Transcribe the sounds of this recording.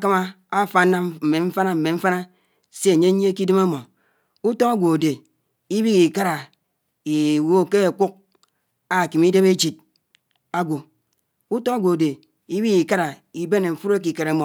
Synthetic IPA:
a˦ka˦ma˦ | a˦˨fa˨˦nːa˦m̩˨me˨ɱ̩˦fa˦na˦m̩˨me˨ɱ̩˦fa˦na˦ | se˦e˨ɲe˦ɲ˦ki˦di˦ma˦mo˨ | u˦to˦ŋa˦ɡʷo˨a˨de˨ | i˦bi˦ki˨ka˦ɾa˨ | i˨wo˦˨ke˦a˨ku˦k̚ | a˨ki˨mi˦de˦βe˦d͡ʒi˨t̚ | a˦ɡʷo˨ | u˦to˦a˦ɡʷo˨de˨ | i˦bi˦ki˨ka˦ɾa˨i˨be˦ne˨ɱ̩˨fu˦ɾe˦k̬i˨ke˨ɾe˨mo˨

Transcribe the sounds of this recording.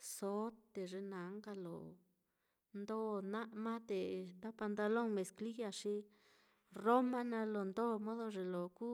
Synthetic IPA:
so˦t̪d̪e˨ʐe˧na˨˦ŋɡa˧lo̰˨ | nd̪o˧na˦ʔma˦t̪e˨t̪a˦pa˧nt̪a˧lo˦ŋme˨skli˦ɡa˧ʂi˦ | ro˦ma˦na˧lo˨nd̪o˦mo˦ðo˧ʐe˨lo˨ku˦

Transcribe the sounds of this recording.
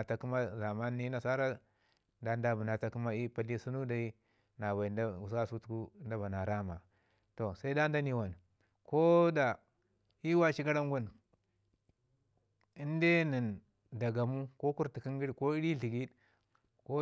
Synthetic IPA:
a˨ta˨ku˦ma˦za˨ma˦nːi˦na˨sa˦ɾa˦ | da˦nda˦bu˨na˨ta˦ku˦ma˦i˦pa˨li˦su˦nu˦da˨i˦ | na˨ba˨i˨nda˦u˨sa˦su˦tu̥˨˦ku˦nda˦ba˨na˨ɾa˦ma˨ | to˨sa˦i˦da˦n˦da˦ni˨wa˨n | ko˦da˨ | i˦wa˦ʃi˦ɡa˦ɾa˦ŋɡu˦n | i˦nde˦ni˨n | da˨ɡa˨mu˦ko˦ku˦ɾti˨ki˦ŋɡi˦ɾko˦i˦ɾi˦ɬi˨ɡi˦d | ko˦

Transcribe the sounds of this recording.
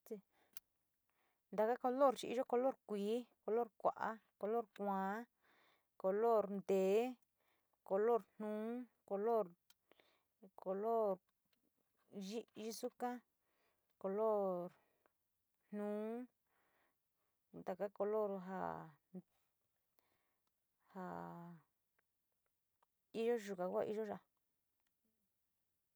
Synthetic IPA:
t̪i˧ | nd̪a˨ka˦ko˧lo˦˨ɾt͡ʃi˧ḭ˦ʒo˦ko˧lo˦ɾkʷiː˨˦ko˧lo˦˨ɾkʷa̰˨ʔa̰˦ko˧lo˦˨ɾkʷãː˨˦ | ko˧lo˦˨ɾnd̪eː˨˦ | ko˧lo˦˨ɾn̥nũː˨˦ko˧lo˦ɾ | ko˧lo˦ɾ | ʒi˦ʒi˦su˦kã˦ | ko˨lo˦ɾ | n̥ũː˨˦ | t̪a˨ka˦ko˧lo˦˨ɾɦa̰˨ | ha˨ | i˦ʒo˦ʒu˨ka˨kʷa̰˦˧ʔi˦ʒo˦ʒa˧˨

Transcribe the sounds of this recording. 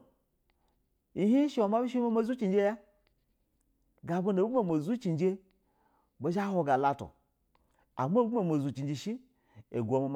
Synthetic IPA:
i˨ɦi˦ʃi˨wo˨ma˦bi˦ʃ̬i˦ma˦ma˦zu˦t͡ʃi˨nd͡ʒe˦ja˦ | ɡa˨bo˦n˨bu˦a˨mo˨zu˦t͡ʃi˨nd͡ʒe˦ | bo˨˦ʃa˦ɦo˨ɡa˨la˨to̰˨ | a̰˨m˦o˦a˨ma˨zu˨t͡ʃi˨nd͡ʒi˨ʃi˦ | e˨ɡʷo˨ma˨m

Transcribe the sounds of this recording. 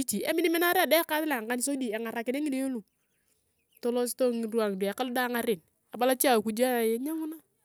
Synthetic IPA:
i˦t͡ʃi˨ḛ˦mɪ˦ni˦mɛ˦na˦ɾe˦a˨dɛ˦ka˦tɪ˦la˨ŋka˦ni˨so˦di˨e˨ŋa˨ɾa˨kɪ˨ne˦ŋi˦de˦o˦lu˨ | to˦lo˦s̬to˦ŋi˨du˦a˨ŋ˨du˨a˨ka˦lda˦ŋa˦ɾɪ˨n | a˨ba˦la˦t͡ʃi˦a˦˨ku˨d͡ʒa˦˨je˦ɲa˦ŋu˦na˦

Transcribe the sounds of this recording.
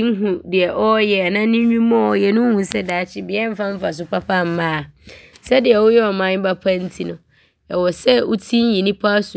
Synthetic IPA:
ŋ̩˦ɦũ˨dɪ˨ɛ˨ʔɔ˦jɛ˨nã˦nĩ˦ɲᶣĩ˦mɔ̃˦ɔ˨jɛ˨nʊ̃˦hũ˨sɛ˦daː˨˦t͡ɕʰɪ˦bɪ˨ɛ˦m̩˦fã˦m̩˦fa˨s̬ʊ˨pʰa˦pʰa˦˨m̩˨mãː˦˨sɛ˦dɪ˨ɛ˨wʊ˦jɛ˦ɔ˨mã˦ɲ˦ba˦pʰã˦n̩˦tʰi˦nʊ̃˨ | ɛ˨wɔ˨sɛ˦ʔu˦tʰi˦n˦ji˨nĩ˦pʰa˦sʊ˨

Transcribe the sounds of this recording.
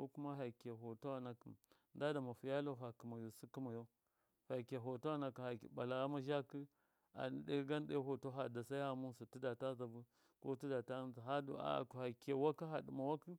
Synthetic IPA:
ko˦ku˦ma˦ɦa˨ke˨ɦo˨to˦a˨na˨ki˨ | nda˦da˨ma˨fu˨ja˦lo˦ɦa˨ki˨ma˨jo˨si˦ki˦ma˨jo˦ | fa˨ke˨ɦo˨to˦a˦na˨ki˨ha˨kɓa˨la˨ɣa˦ma˦ʒa˦ki˦ | a̰˨n˨de˦ɡa˦n˦de˦ɦo˨to˦ɦa˨da˨sa˦i˦a˦mu˦su˨ti˦da˨ta˦za˨vu˦ | ko˦ti˦da˨ta˦za˨ɦa˦d̰a̰˨ku˨ha˨ke˨wa˦ki˦ɦa˨di˨ma˨wa˦ki˦

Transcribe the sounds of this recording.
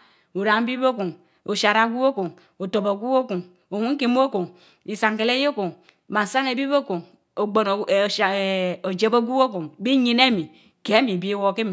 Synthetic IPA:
u˨ɾa˨ŋ˦bi˦bo˦ku˨ŋ | o˨ʃa˨ɾa˨˦ɡu˦o˦ko˨ŋ | o˨to˨bo˨ɡʷu˦o˦ku˨ŋ | o˨wu˦ŋ˦ki˦m˦o˦ko˨ŋ | i˨sa˨ŋke˨le˦jo˦ko˨ŋ˨ | ba˨n˨sa˦ne˨bi˦bo˦ku˨ŋ | o˨ɡ͡bo˨n˨o˨d͡ʒe˨˦bo˦ɡʷu˦o˦ko˨ŋbi˦ɲi˦ne˦mi˨ | ke˨˦e˦mi˨bi˦wo˦ki˦m˨

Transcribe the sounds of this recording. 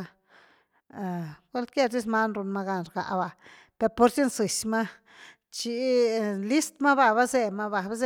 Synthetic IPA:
ɡʷe˦lke˦˧ɾd̪i˦sma˦nɾu˧nma˧ɡa˧nɾɡa̰˨ʔba˧ | pe˧ɾpo˧ɾsi˦nsɨ˨sma˦ | t͡ʃi˧li˦st̪ma˦βa˧βa˦ze˧ma˧βa˧ba˦ze˦

